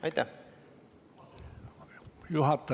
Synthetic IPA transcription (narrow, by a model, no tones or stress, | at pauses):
it̪æ | juhɑt̪ːɑ